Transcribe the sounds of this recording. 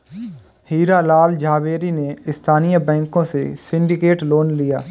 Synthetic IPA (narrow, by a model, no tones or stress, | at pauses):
hiːɾalaːld͡ʒaːʋeːɾineɪst̪ʰaːnijabɛ̃ːŋkõsesɪ̃ɳɖɪkeːʈloːnlijaː